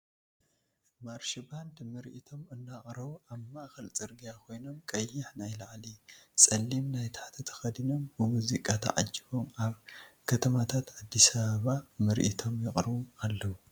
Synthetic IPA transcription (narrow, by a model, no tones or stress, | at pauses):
maɾʃiband̪mɨɾʔit̪ʰo̞mɨnːaχʼɾɐβuʔaβmaʔxɐlt͡sʼɨɾɡijakʰo̞jno̞mkʼɐjːɪħnajlaʕlisʼɐlːimnajt̪ʰaħt̪ʰɐt̪ʰɐ̥xɐd̪ino̞mbɨmuzikʼat̪ʰɐ̰ʕa̰d͡ʒːiβo̞maβkʰɐt̪ʰɐmat̪ʰat̪ʕad̪ːisaβaβamɨɾʔit̪ʰo̞mjɪχʼɾɨβumalːɐwu